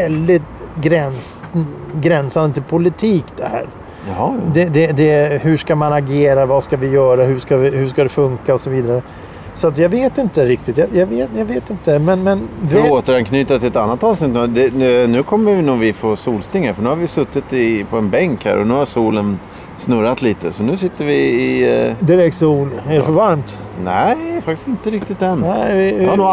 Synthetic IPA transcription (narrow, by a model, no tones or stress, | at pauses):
ɛld̪ɪt̪ɡɾɛns | ɡɾɛnsand̪ət̪ʰɪlpʰʊlɪt̪ʰiːkd̪ɛhæ̰ːɾ | hd̪ɛd̪ɛd̪ɛhɵʂkamanaɡeːɾavaskavɪjœːɾaɦɵʂkavɪhɵʂkad̪ɛfɵŋkaɔsɔviːd̪aɾə | sɔat̪jɑɡveːt̪ɪnt̪əɾɪk̚t̪ɪt̪jɑjɑveːt̪jɑɡveːt̪ɪnt̪əmɛnmɛnvoːt̪əɾankʰnyːt̪at̪ʰːɪlɛt̪anːat̪ɑːvsnɪt̪ːnːd̪ɛnʉ̟ːkʰɔmːəvɪnuːɡvɪfoːsuːlst̪ɪŋhæɾfœɳʉ̟haɾvɪsɵt̪ːɪt̪ɪpʰɔɛnbɛŋkhæ̰ːɾʔɔ̰nʉ̟ːhasuːlən | snɵɾat̪liːt̪əsɔnʉ̟ːsɪt̪ːəɾvɪːd̪ɪɾɛk̚t̪suːlædɛfœɾvaɾmt̪ | nɛfakt̪ɪ̥sɪnt̪əɾɪk̚t̪ɪt̪̚d̪ɛnɛvɪanː